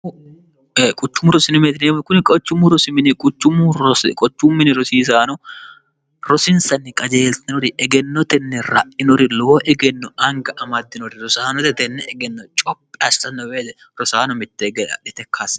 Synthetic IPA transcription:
kʼʊt͡ʃːʊmʊɾɔsɪnɪmet̪ɪneːmkʊnɪkʼɔt͡ʃːʊmːʊɾɔsɪmɪnɪkʼʊt͡ʃːʊmʊɾɔskʼɔt͡ʃːʊmːɪnɪɾɔsiːs̬aːnɔ | ɾɔsɪnsɐnːɪkʼɐd͡ʒeːlt̪ɪnɔɾɪʔɛɡɛnːɔt̪ɛnːɛɾɐ̰ʔɪnɔɾɪloːʔɛɡɛnːɔɐŋɡɐʔɐmɐd̪ːɪnɔɾɪɾɔsaːnɔt̪ɛt̪ɛnːɛɛɡɛnːɔt͡ʃʼɔp̚ʼːɪɐsɐnːɔweːt̪ɛ | ɾɔsaːnɔmɪt̪ːɛɡɛɐᶑɪt̪ɛkʰːaːs

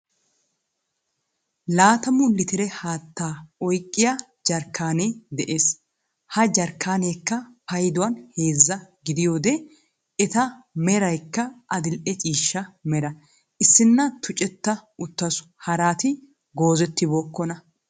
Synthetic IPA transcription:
laːt̪ɐmʊlɪt̪ɪɾɛhaːt̪ːaːɔjkʼːɪja | d͡ʒɐɾkːaːneːd̪ɛʔe̞ːs | hɐd͡ʒɐɾkːaːneːkːɐpɐjd̪ʊwɐnhe̞ːzːɐɡɪd̪ɪjo̞ːd̪ɛ | ɛt̪ɐmɛɾɐjkːɐʔɐd̪ɪlʔɛt͡ʃʼiːʃːɐmɛɾɐ | ʔɪsːɪnːɐt̪ʰʊt͡ʃʼɛt̪ːɐʊt̪ːɐsʊ̥hɐɾaːt̪ɪ | ɡo̞ːzɛt̪ːɪbo̞ːkːɔnɐ

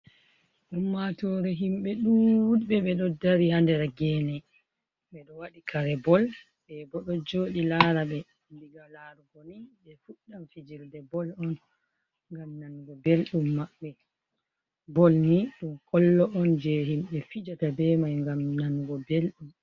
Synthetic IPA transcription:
ʔumːatɔɾɛɦimɓɛɗuuɓɛɓɛɗɔdaɾihandɛɾɡɛːnɛ | ɓɛɗɔwaɗikʰaɾɛbɔl | bɛbɔɗɔd͡ʒoːɗilaɾaɓɛ | mbiɡalaɾuɡɔniɓɛfuamfid͡ʒiɾdɛbɔlɔn | ŋɡamnanɡɔbelɗumːaɓːɛ | bɔlniɗumkʰɔlːɔʔɔnd͡ʒɛhimɓɛfid͡ʒatabɛmajŋɡamnanɡɔbelɗum

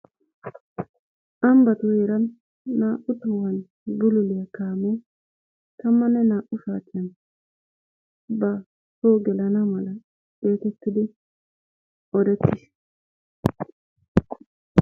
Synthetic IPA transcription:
ʔɐmbɐt̪ʊjɛɾɐnː | aːʔʊt̪ɐwɐn | bʊlʊlɪjɐkaːmɔ | t̪ɐmːɐnɛnaːʔʊsaːt̪ːɪjɐn | bɐ | toːɡɛlɐnɐmɐlɐ | eːt̪ɛt̪ːɪd̪ɪ | ɔd̪ɛt̪ːɪs

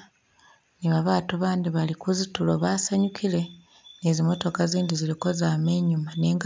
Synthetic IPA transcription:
niβaβaːtuβaːnd̪iβalikuzituloβaːsaɲukʰile̞ | ne̞zimo̞to̞kaziːndiziliko̞zaːme̞ɲumane̞ːŋɡ

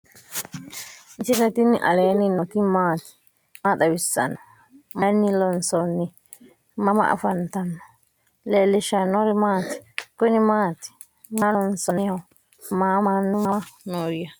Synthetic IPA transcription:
nt͡ʃɪnɛt̪ɪnɪʔɐ̰leːnɪnɔt̪ɪmaːt̪ɪ̥ | mad̪ɐbɪsːɐ̰nːɔ | mɐnːɪlɔnsɔnːɪ | mɐmɐ̰ʔɐ̰fɐnt̪ɐnːɔ̥ | leːlːɪʃɐnːɔɾɪmaːt̪ɪ̥kʊnɪmaːt̪ɪ̥ | malɔnsɔnɪjɐ | maːmanːɔmanoɾɪjɐ

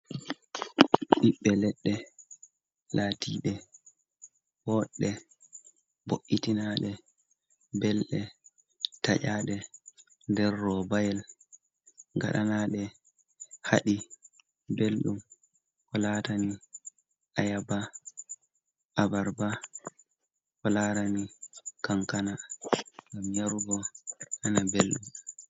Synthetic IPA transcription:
ɗiɓːɛlɛɗːɛ | laːtʰiːɗɛ | wɔɗːɛ | boʔːitinaɗɛ | bɛlɗɛ | taʔaːɗɛ | ndɛɾːɔbajɛl | ŋɡa̰ɗanaːɗɛ | haɗi | belɗum | kɔlatani | ʔajaba | ʔabaɾba | hɔlaɾanikaŋkanaŋɡamjaɾuɡɔʔanabelɗum

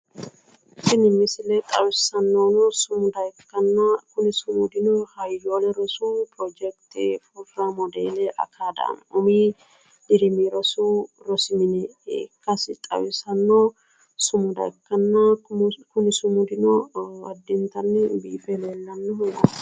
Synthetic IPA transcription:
sɪnɪmːɪsɪleːt̪ʼɐwɪsɐnːoːnosʊmʊd̪ɐkːɐnːakʊnɪsʊmud̪ɪnohɐjːoːlɛɾɔsuːpɾɔd͡ʒɛk̚t̪ɪfufɾaːmɔd̪ḛːleʔɐ̰kʰaːd̪ɐ̰ɐ̰nʊmiː | d̪ɪɾɪmiɾɔsuːɾɔsmɪnɛkːɐsɪt̪ʼɐ̰wɪsɐnːoː | sʊmʊd̪ɐ̰kːɐnːakʊnɪsʊmud̪ɪnoɐ̰d̪ːɪnt̪ɐnːɪbiːfeleːlːɐnːɔhɔɡɐ

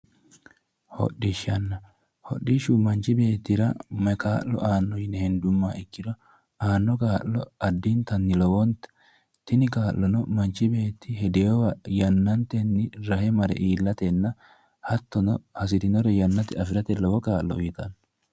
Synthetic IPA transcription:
hɔ̰ɗːɪʃɐnːɐ | hɔ̰ɗːɪʃumɐnt͡ʃɪbe̞ːt̪ːɪɾɐmɐkaːlːɔ̰ʔaːnːɔjɪnɛhɛnd̪ʊmːaːɪkːɪd̪ɔ | aːnːɔkʼaːlːɔɐd̪ːiːnt̪ɐnːɪlɔwɔnt̪ | t̪ɪnɪkaːlːɔnɔmɐnt͡ʃːɪbe̞ːt̪ːɪhɛd̪eːɔwɐjɐnːɐnt̪ɛnːɪɾɐhɛmɐɾɛ̰ʔiːlːɐt̪ɛnːɐ | hɐt̪ːɔnɔhɐs̬ɪd̪ɪnɔɾɛjɐnːɐt̪ɪɐfɪɾɐt̪ɛlɔwɔkaːllɔjɪt̪ɐnː

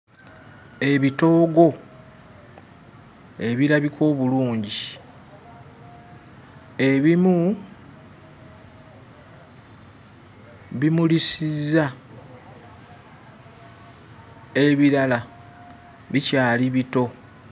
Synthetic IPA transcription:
e̞βito̞ːɡo̞ | e̞βiɾaβikʰo̞ːβuluːɲɟi | e̞βimu | βimulisiza | e̞βiɾala | βicaːliβito̞

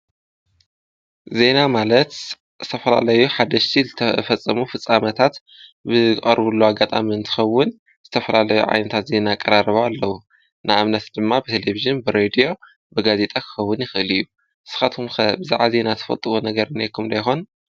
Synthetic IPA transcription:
ze̞namalɐt̪ | zɨt̪ʰɐfɐla̰lɐjuħad̪ɐʃt̪ʰizɨt̪ʰɐfɐt͡sʼːɐmufɨt͡sʼamɐt̪ʰat̪ | bɨχʼɐ̰ɾbulːuaɡat̪ʼa̰miɨnt̪ʰɨ̥xɐwːʊn | z̥ɨt̪ʰɐfɐlalɐjṵʕa̰jnɐt̪ʰat̪ze̞naːkʼɐɾaɾβaalːɐwu | nɨamnɐt̪d̪ɨmːabɨt̪ʰeleviʒɨnbɨɾed̪ijo̞ | bɨɡaze̞t̪ʼakʰɨ̥xɐwːʊnjɪxɨʔɨlɨjːu | ʔɨsɨ̥xat̪umxɐbɨza̰ʕaze̞nat̪ʰɐ̥fɐ̰lt̪ʼɨβonɐɡɐɾɨnekʰumd̪ɐjxon

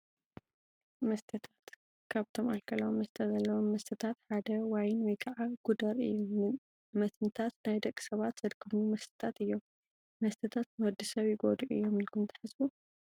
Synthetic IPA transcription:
mɐst̪ʰɐt̪ʰat̪ | kʰaβt̪ʰo̞malkʰɐlɐwomːɐst̪ʰɐzɐlːɐwomːɐst̪ʰɐt̪ʰat̪ħad̪ɐwajnwɔjkʰaʕaɡ̥ud̪ɐɾɨ̰jːu | mɐt̪nt̪ʰat̪najd̪ɐkʼːi̥sɐβat̪z̥ɐd̪kʰɐmumɐst̪ʰɐ̥t̪ʰat̪ɨjːo̞m | mɐst̪ʰɐt̪ʰat̪nwɔd̪ɨsɐβjɪɡo̞d̪uʔɨ̰jːo̞mɨlkʰɨmt̪ʰɐ̥ħɨzbu

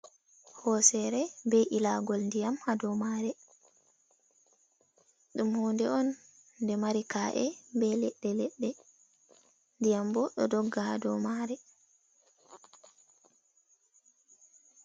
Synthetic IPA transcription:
hɔsɛɾɛbɛjʔilaɡɔlndijamhadɔmaɾɛ | ɗumhoːndɛɔnː | dɛmaɾikaːʔɛmbɛlɛɗːɛlɛɗːɛ | ndijambɔɗɔ̰dɔɡːaha̰dɔmaɾɛ

